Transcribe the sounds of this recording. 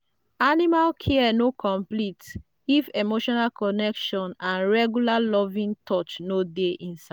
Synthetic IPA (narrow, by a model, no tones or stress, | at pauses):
animalkʰɛɛnokʰɔ̃mplit | ifemoʃɔnalkɔnɛkʃɔ̃nãnɹɛɡjulalɔvĩŋtʰɔt͡ʃnodeʔĩnsa